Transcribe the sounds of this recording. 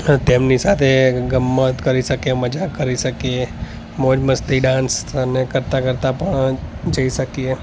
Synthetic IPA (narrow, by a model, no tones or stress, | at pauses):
t̪emnisat̪ʰeɡəmːət̪kəɾiʃəkeməd͡ʒakəɾiʃəkie | mod͡ʒməst̪iɖãnsənekəɾt̪akəɾt̪apəɳd͡ʒəiʃəkie